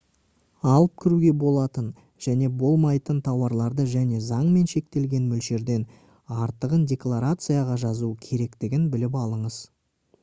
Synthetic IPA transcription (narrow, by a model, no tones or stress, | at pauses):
ɑlˠəp̚kʲʰɪɾuɡʲe̞bo̞lˠɑt̪ən | ʒ̥æne̞bo̞lˠmɑjt̪ənt̪ʰɑwɑɾlˠɑɾd̪əʒæne̞zɑɴme̞nʃe̞k̚t̪e̞lɡʲe̞nmʏlʃe̞ɾd̪e̞n | ɑɾt̪əʁəndʲe̞klˠaɾat̪sɨjaʁɑʒɑzuəkʲʰe̞ɾe̞kt̪ɪɡʲɪnbɪlɪpɑlˠəɴəz̥